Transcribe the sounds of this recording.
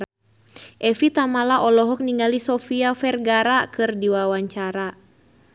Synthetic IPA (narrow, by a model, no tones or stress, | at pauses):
ʔɛfit̪amalaʔɔlɔɦɔk̚niŋɡalisɔfiafɛrɡaɾakɨrdiwawaɲt͡ʃaɾa